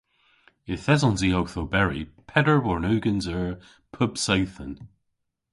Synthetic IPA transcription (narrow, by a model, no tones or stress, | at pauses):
ɪθɛzɔ̃nziowθobɛɹḭpʰɛdə˞bɔɹnʉːɡə̃nzəɹ | pʰʊb̥sawθə̃n